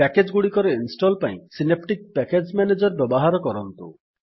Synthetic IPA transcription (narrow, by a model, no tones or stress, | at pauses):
ɛked͡ʒɡuɽikɔɾeinsʈɔlpaj̃sinepʰʈik̚pɛked͡ʒmɛned͡ʒɔɾbɔbɔɦaɾɔkɔɾɔnt̪ṵ